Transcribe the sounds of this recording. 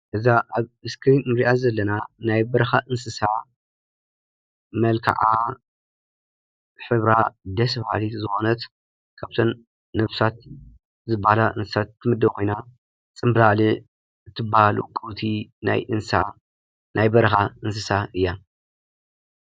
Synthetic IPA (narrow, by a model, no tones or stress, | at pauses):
ʔɨzaʔaβɨskʰɨɾinmɨɾiʔazɐlːɐnanajbɐɾɐxaʔɨnsɨsa | mɐlkʰa̰ʕa | ħɨβɾad̪ɐsβha̰lit̪zɨxo̞nɐt̪ | kʰaβt̪ʰon | nɐβsat̪̚ | zɨbːahalaʔɨ̰nsɨsat̪̚t̪ʰːɨmɨd̪ːɐkʰo̞jna | t͡sʼɨmbɨlali | ɨt̪ʰːɨbːahalṵkʼɨwt̪ʰina̰jʔɨnsa | nʔajbɐɾɐxaɨnsɨsaʔɨjːa